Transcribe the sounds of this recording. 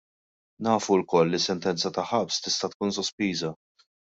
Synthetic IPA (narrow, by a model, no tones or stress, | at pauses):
nɐːfulkɔlːisːɛnt̪ɛnt͡sɐt̪ɐħɐpst̪ɪst̪ɐt̪kuːnsɔspiːzɐ